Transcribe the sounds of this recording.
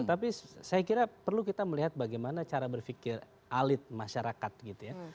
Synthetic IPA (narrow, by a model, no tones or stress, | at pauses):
t̪ap̬isajakiɾapərlukit̪aməliɦat̪̚baɡajmanat͡ʃaɾabərfikɪr | ʔalɪt̪̚maʃaɾakat̪̚ɡit̪uja